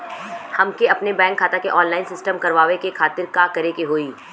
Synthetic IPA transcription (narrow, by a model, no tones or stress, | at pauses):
hɐmkeɐpnebɛ̃ːŋkʰːaːt̪akeʔɔːnlaːɪnsɪsʈəmkɐɾʋaːʋekekʰaːt̪ɪɾkakɐɾekeɦoːiː